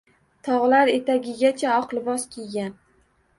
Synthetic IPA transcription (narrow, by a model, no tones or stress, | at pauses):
t̪ʰɒʁlaɾe̞t̪ʰaɡʲɪɡʲat͡ʃʰaɒqlˠɪbɒskʲʰejɡʲan